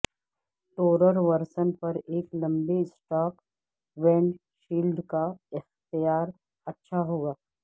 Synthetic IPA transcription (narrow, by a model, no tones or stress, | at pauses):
ʈoːɾəɾʋɐɾsənpɐɾeːklɐ̃mbisʈaːk | ʋɛ̃ːɳɖ | ʃiːlɖkaɪxt̪ijaːɾ | ɐtːʃʰaɦoːɡaː